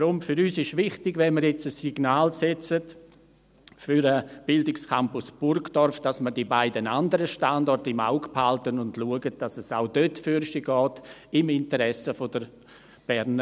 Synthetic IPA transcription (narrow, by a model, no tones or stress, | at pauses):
ɾʊmfʏɾyːsɪʃvɪχtɪɡvɛnməɾjɛt͡səsiɡ̥naːlsɛt͡sət | fyɾəb̥ɪldɪkskʰampʊsb̥ʊrɡd̥ɔrfd̥asmədibaɪdənandəɾəʃtandɔrtɪma̰ʊkphaltənʊndluəɡət̚d̥asəsaʊdøtfyɾsiɡɔːtɪmɪntəɾɛsəfodəɾ | b̥ɛɾnə